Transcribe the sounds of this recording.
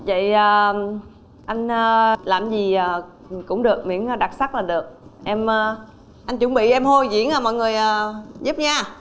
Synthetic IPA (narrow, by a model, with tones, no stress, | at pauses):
və̰˧˨jəː˨˩ | ʔa˧jŋ̟ː˧laː˨˩mzi˨˩a˨˩ | kʊ̰˧˥ŋ͡mɗɨ˨˩ək̚mḭ˧˥nː˧ɗa˨˩t̚sa˦˥k̚laː˨˩ɗɨ˨˩ək̚ʔɛ˧mː˧ | ʔa˧jŋ̟t͡ɕʊ̰˧˦ŋ͡mɓḭ˧˨ʔɛ˧mho˧jzḭ˧˥ənaː˨˩mɔ̰˧˨jŋɨ˨˩əjaː˨˩zu˦˥p̚ɲaː˧